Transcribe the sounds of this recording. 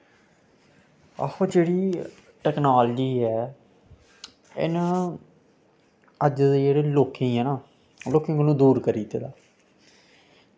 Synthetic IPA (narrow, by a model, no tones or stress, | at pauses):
a̰hõːd͡ʒeːɽiː | ʈɛːknaːld͡ʒiːɛː | ɪ̰na | əd͡ʒd̪eːd͡ʒeːɽeːloːkʰẽɦɛːnaː | loːkẽːŋkənũːd̪uːɾkəɾiːt̪eːd̪aː